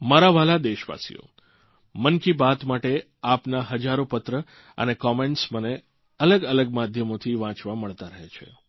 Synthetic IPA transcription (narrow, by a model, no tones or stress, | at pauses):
maɾaʋalad̪eʃʋa̰sḭo̰ | mənkibat̪maʈe | apnaɦəd͡ʒaɾopət̪ɾə | ə̰nekɔmeɳʈsməne | ələɡələɡmad̪ʱjəmot̪ʰiʋãt͡ʃʋaməɭt̪aɾəɦet͡ʃʰḛ